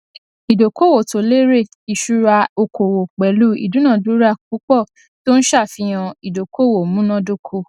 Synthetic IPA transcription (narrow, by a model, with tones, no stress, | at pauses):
i˨do˨ko˦˨wo˨to˨le˦ɾe˦˨ | i˨ʃu˦ɾa˧o˧kʰo˨wo˨k͡pɛ˨lu˦ḭ˦˨du˨˦nã˦˨du˦ɾa˦˨ku˨˦k͡pɔ˦˨ | to˦n̩˦ʃa˦˨fi˧j̃ã˧i˨do˨kʰo˦˨wo˨mũ˦nã˦do˦˨kʰu˧